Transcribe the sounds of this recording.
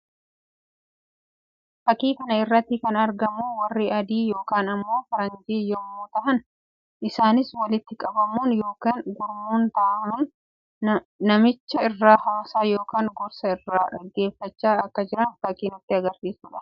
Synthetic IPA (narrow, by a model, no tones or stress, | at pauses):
fɐkiːkɐnɐɪrːɐt̪ːɪkɐnɐɾɡɐmuːwɐrːiʔɐd̪iːjo̞ːkaːnɐmːo̞ːfɐɾɐnd͡ʒ̪iːjɔmːuːt̪ɐʔɐn | ʔɪsaːnɪswɐlɪt̪ːɪkʼɐbɐmuːnjo̞ːkaːŋɡʊɾmuːnt̪ɐʔɐmʊn | nɐmɪt͡ʃːɐɪrːaːhaːsaːjo̞ːkaːŋɡɔɾsɐɪrːaːᶑɐɡːe̞ːfɐt͡ʃːaːɐkːɐd͡ʒɪɾɐnfɐkiːnʊt̪ːɪɐɡɐɾsiːsuːᶑɐ̥